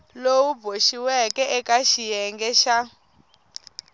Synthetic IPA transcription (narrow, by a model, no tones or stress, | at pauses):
lowubʱoʃiwɛkɛʔɛkaʃijɛŋɡɛʃa